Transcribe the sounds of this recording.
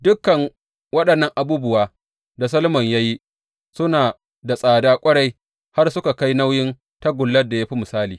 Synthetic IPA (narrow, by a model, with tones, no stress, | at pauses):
dʊ˦kːɐ˨ŋ | wɐ˦ɗɐ˨nːɐ˦ŋʔa˨buː˦bʊ˦waː˨ | da˨s̬ɐ˦lmɐ˨ɲjaː˦ji˦ | sʊ˦naː˨ | da˨sʼaː˨daː˦kʷʼɐ˦ɽa˦j | ha˦rsʊ˦ka˨ka˦jna˦wjɪ˦n | ta˦ɡʷʊ˨lːɐ˦da˨ja˦ɸi˦mʊ˨saː˦liː˨